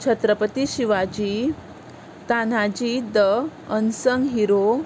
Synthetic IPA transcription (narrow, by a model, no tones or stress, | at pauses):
t͡ɕʰət̪ɾəpət̪iɕiʋad͡ʑi | t̪anad͡ʑid̪əənsəŋɡɦiɾo